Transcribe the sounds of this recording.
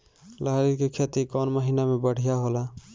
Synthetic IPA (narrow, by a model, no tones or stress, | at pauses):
laɾikekʰet̪ikɔnməɦinamebəɽ̤ijaɦola